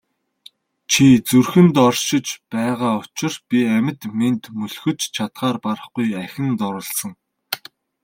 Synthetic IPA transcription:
t͡ɕʰit͡surxɘ̆nt̪ɔrʃɪ̆t͡ɕpæːʁaːʊt͡ɕɪ̆rpʲiæmʲɪ̆t̪ment̪mɵɮxɵ̆t͡ɕt͡ɕʰat̪ɢaːrpaɾ̆χɡujæxʲɪ̆nt̪ɔɾə̆ɮsə̆ŋ

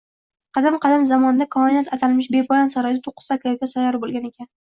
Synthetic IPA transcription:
qʰɑd̪amqʰɑd̪amzamɒnɪd̪akʰɒenat̪at̪ʰalmɪʃbe̞pʰɒlansaɾɒjd̪at̪ʰoqʰːɨ̥sakʰajkʲasajɒɾɪbolˠɡʲane̞kʲʰan

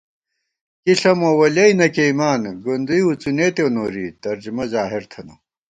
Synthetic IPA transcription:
kiɬɐmoːwɐlɐinɐkeimaːnɡond̪ujut͡suneːt̪ewnoːɾit̪ɐɾd͡ʑumɐzaːɦiɾt̪ʰɐno

